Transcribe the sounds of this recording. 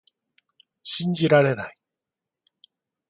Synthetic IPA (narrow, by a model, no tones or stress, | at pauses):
ɕiɲd͡ʑiɾaɾe̞nai